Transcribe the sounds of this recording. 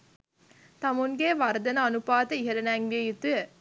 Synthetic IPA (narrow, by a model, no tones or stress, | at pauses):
t̪amuŋɡeʋaɾd̪ənəanupaːt̪əiɦeɾənæːŋʋiejut̪ujə